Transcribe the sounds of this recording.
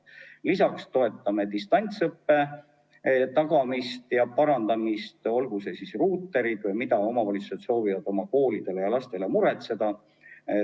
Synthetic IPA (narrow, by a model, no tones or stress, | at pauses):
lisɑkst̪o̞e̞t̪ˑːɑme̞t̪ist̪ɑnʲt̪sɤpːe̞ | t̪ɑɡ̥ɑmist̪jɑpɑɾɑnd̪̥ɑmist̪o̞lɡ̥use̞sisruːt̪ːˑe̞ɾid̪vɤjmid̪ɑo̞mɑvɑlʲit̪su̥set̪so̞ːvivɑd̪̥o̞mɑko̞ːlid̪̥e̞lejɑlɑst̪e̞le̞muɾe̞t̪se̞d̪̥ɑ